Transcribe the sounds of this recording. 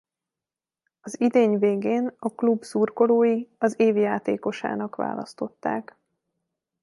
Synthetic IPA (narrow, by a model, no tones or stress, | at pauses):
ɒzid̪eːɲveːɡeːnɒklubsurko̞loːjiɒzeːvjaːt̪ḛːko̞ʃa̰ːnɒkʋa̰ːlɒ̰st̪o̞t̪ːaːk